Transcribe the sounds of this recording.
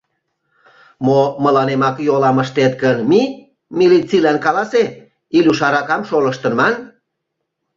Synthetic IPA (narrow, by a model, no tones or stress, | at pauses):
moməlɑnemɑkjolɑməʃt̪et̪̚kənmi | milit͡silænkɑlɑse | ilʲuʃɑɾɑkɑmʃoləʃt̪ənmɑn